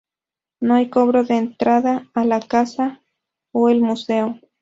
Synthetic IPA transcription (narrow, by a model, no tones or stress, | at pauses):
noajkoβɾoðeːnt̪ɾaðaːlakasa | oelmuseo